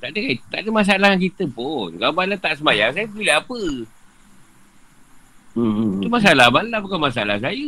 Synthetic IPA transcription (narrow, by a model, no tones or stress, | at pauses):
t̪aʔdəkajt̪aʔdəmas̬aalahkak̬it̪əpʊnkabalat̪aʔsəmajaŋsajəbileapə | t̪umas̬alamalabukanmasaalas̬ajə